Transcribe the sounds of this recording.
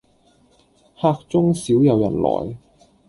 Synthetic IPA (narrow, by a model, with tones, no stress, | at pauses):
haː˧k̚t͡sʊ˥ŋsiː˨˥wjɐ˨˧wjɐ̰˨˩nlɔ̰ː˨˩j